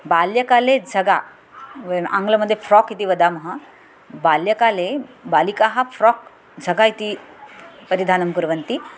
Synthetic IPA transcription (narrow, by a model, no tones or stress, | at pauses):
baljəkaled͡zʱəɡa | ã̰ŋɡləməd̪ʱːjefɾɔkit̪iʋəd̪aməɦa | baljəkalebalikaɦafɾɔk | d͡zʱəɡait̪i | pəɾid̪ʱanəmkuɾʋənt̪i